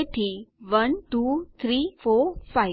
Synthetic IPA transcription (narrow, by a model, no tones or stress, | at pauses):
ʈʰiʋənʈut̪ʰɾiːfofaj